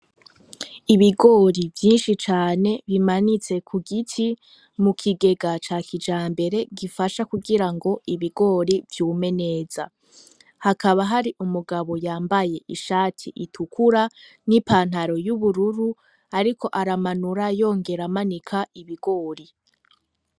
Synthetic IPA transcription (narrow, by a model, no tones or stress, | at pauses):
iβiɡo̞ːɾivjiːnʃit͡ʃaːne̞βimanit͡se̞kʰuɡitʰi | mukʰiɡe̞ɡat͡ʃaːkʰid͡ʒaːmbe̞ɾe̞ɡifaʃakuɡiɾaŋɡo̞iβiɡo̞ːɾivjuːme̞ne̞ːza̰ | hakaβaɦaɾiʔumuɡaβo̞jaːmbaje̞ʔiʃaːtʰiʔitʰukʰuɾa | nipaːn̥haɾo̞juβuɾuɾu | aɾikʰo̞ʔaɾamanuɾajo̞ːŋɡe̞ɾamanikʰaʔiβiɡo̞ːɾi